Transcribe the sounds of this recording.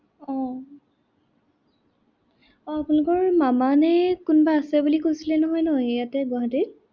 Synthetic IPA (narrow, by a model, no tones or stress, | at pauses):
ɔ̃ | ɔapunlʊkɔɹmamanɛkunbaːsɛbulikojsilɛnɔɦɔjnɔɦɔjejatɛɡaɦatit̚